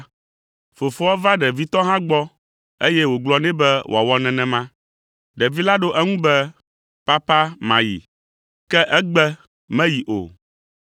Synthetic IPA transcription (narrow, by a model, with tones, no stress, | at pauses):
fo˨fɔ˦a˦va˦ɖɛ˨vi˦t̪ɔ˦ɦã˦ɡ͡bɔ˦ | e˦jɛ˦wo˨ɡ͡blɔ˦nɛ̃˦bɛ˦wʔo˨a˨wɔ˦nɛ̃˨nɛ̃˨mã˦ | ɖɛ˨vi˦la˦ɖo˦ʔɛ˦ŋũ˦bɛ˦ | pa˦pa˦mã˨jḭ˨ | kɛ˦ʔɛ˦ɡ͡bɛ˦ | mɛ̃˦ji˨ʔo̰˨